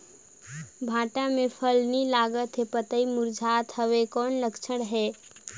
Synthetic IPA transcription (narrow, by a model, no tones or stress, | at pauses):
bʱãːʈamẽpʰəlnilaːɡət̪ɦepət̪əimʊɾd͡ʒʱaːt̪həwekɔːnləkt͡ʃʰəɽ̃ɦɛː